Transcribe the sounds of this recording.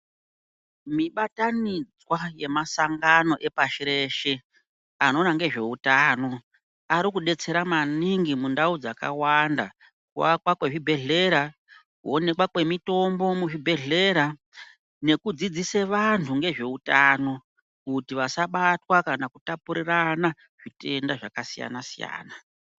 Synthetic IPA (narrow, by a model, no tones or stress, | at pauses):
miɓatanid͡zwaje̞masaŋɡano̞ʔe̞paʃiɾe̞ʃe̞ | ano̞naŋɡe̞ʐe̞utaːno̞ | aɾikuɗe̞t͡se̞ɾamaniŋɡimundaud͡zaka̰wanda̰ | kuwakwakwe̞ʐibʱe̞ɮe̞ɾa | kuo̞ne̞kwakwe̞mito̞mbo̞muʐibʱe̞ɮe̞ɾa | ne̞kud͡zid͡ziseʋantʰuŋɡe̞ʐe̞utano̞ | kutiʋasaɓatwakanakutapuɾirana | ʐ̥ite̞ndaʐakasija̰nasija̰ːna